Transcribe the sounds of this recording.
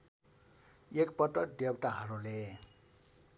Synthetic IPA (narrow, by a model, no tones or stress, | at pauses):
ekpʌʈʌk̚ɖeb̚ʈaɦʌɾole